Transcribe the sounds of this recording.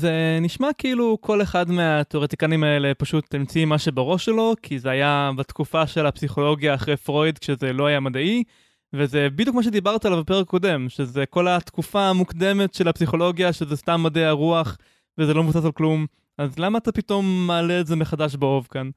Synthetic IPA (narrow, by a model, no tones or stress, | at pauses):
zeniʃmakiilukʰo̞leχad̪meat̪eoʁet̪ikanimaele̞paʃut̪ːimt͡simaʃebeʁo̞ʃelo̞kʰizeajabat̪kufaʃe̞lapsiχo̞lo̞ɡjaːχʁejfʁo̞jd̪kʃezelo̞ajamadai | vezebid̪jukmaʃ̬ed̪ibaʁt̪alavape̞ekako̞d̪e̞mʃezeko̞lat̪kufaːmukd̪e̞me̞tʃe̞lapsiχo̞lo̞ɡjaʃezestamːadeaʁuaχ | vezelo̞mevusasalklum | azlamaːt̪apito̞mːaːleːtzemeχadaʃ̬beo̞vkan